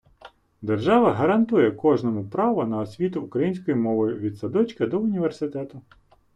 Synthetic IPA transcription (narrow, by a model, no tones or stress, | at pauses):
d̪erʒɑʋɐɦɐɾɐnt̪ujɛkɔʒnɔmʊpɾɑʋɔnɐːsʲʋʲit̪ʊːkɾɐjinʲsʲkɔjimɔʋɔjʊʋʲid̪sɐd̪ɔt͡ʃkɐd̪ɔʊnʲiʋersɪt̪ɛt̪ʊ